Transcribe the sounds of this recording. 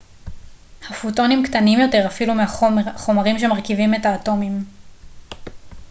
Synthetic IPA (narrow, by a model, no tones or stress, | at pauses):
hafuto̞nimktanimjo̞te̞ʁafilumehaχo̞maʁimʃe̞maʁkivime̞taːto̞mim